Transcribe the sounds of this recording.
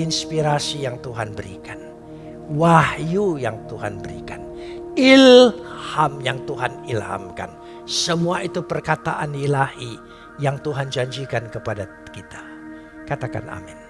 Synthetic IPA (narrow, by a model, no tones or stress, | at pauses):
inspiɾasijaŋt̪uɦanbəɾḭkan | wahjujaŋt̪uɦanbəɾḭka̰n | ilhamjaŋt̪uɦanilha̰mka̰n | səmuait̪upərkat̪aʔanilahi | jaŋt̪uɦand͡ʒaɲd͡ʒikankəpada | kit̪ḁ | kat̪aka̰na̰mɪn